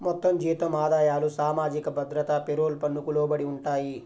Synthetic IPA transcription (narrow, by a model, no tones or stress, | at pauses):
mɔt̪ːɐmd͡ʒiːt̪ɐmaːd̪aːjaːlusaːmaːd͡ʒikɐbʱɐd̪ɾɐt̪ɐpeɾoːlpɐnːukuloːbɐɽiuɳʈaːji